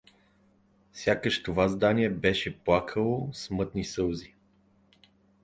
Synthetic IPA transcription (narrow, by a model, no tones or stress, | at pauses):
fsʲjakəʃt̪ovazd̪aniɛbɛʃɛplˠakʰəlˠosmɤt̪nisɤlˠzi